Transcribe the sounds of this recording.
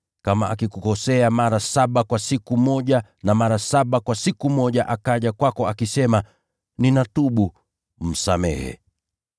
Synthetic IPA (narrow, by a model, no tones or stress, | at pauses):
kamaʔakikukɔsɛamaɾasaɓakwasikumɔʄanamaɾasaɓakwasikumɔʄaʔakaʄakwakɔakisɛma | ninatuɓu | m̩samɛ̰hɛ̰